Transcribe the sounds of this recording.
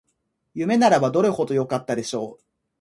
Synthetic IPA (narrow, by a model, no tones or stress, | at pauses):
jɯ̟me̞naɾabad̪o̞ɾeho̞d̪o̞jo̞kat̪ːad̪e̞ɕo̞ː